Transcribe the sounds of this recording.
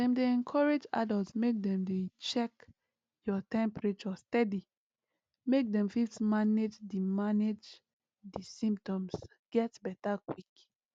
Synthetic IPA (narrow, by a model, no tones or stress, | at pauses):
dɛ̃mdeɛ̃nkʰɔɹed͡ʒa̰dɔltsmek̚dɛ̃mdet͡ʃɛk | jɔtɛ̃mpɹet͡ʃɔstɛdi | mek̚dɛ̃mfifsmaned͡ʒdimaned͡ʒ | disĩmptɔ̃ms | ɡ̥ɛtbɛtakwik